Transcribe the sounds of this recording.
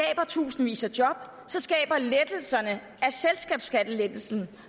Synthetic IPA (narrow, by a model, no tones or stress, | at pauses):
ɛ̰ːb̥ɐt͡sʰṵːsn̩ʋḭːsɐd̥jɒ̽b̥ | sɒ̽sɡ̥ɛ̰ːb̥ɐled̥l̩sɐnə | æselsɡ̥ɛ̰ːb̥sɡ̥æd̥əled̥l̩sn̩